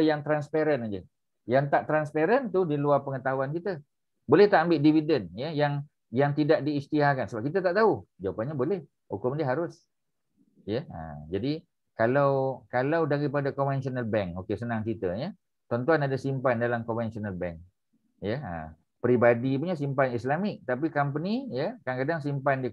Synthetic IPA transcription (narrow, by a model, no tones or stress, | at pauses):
jaŋt̪ɾanspaɾənad͡ʒə | jaŋt̪aʔt̪ɾanspeɾənt̪udiluarpəŋət̪aɦuankit̪ə | bolɛht̪aʔambɪʔdividənjəjaŋ | jaŋt̪idaʔdiːst̪iɦahkansəbap̚kit̪ət̪aʔt̪aud͡ʒawapanɲabolɛh | hukʊmdəɦaɾʊs | jəə̰d͡ʒadi | kalawkalawdaɾipadakɔmvɛnsɔnəlbɛŋkokesənãŋkit̪əjə | t̪ɔnt̪uanadasimpandalamkɔmvɛnsɔnəlbɛ̰ŋk | jəə̰ | pɾibadip̬uɲas̬impanislamɪk̚t̪ap̬ikamp̬ənijəkankadaŋs̬impandi